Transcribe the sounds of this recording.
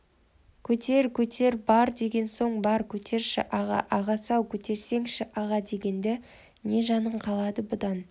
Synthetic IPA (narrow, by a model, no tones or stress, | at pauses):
kʲʰɵt̪ʰe̞ɾkʲʰɵt̪ʰe̞ɾbɑɾd̪e̞ɡʲe̞nso̞ɴbɑɾkʲʰɵt̪ʰe̞ɾʃɪ̰ʔɑʁɑ̰ʔɑʁɑsɑwkʲʰɵt̪e̞ɾse̞ŋʃɪʔɑʁɑd̪e̞ɡʲe̞nd̪ɪ | ne̞ʒɑnəɴqʰɑlˠɑd̪əbʊd̪ɑn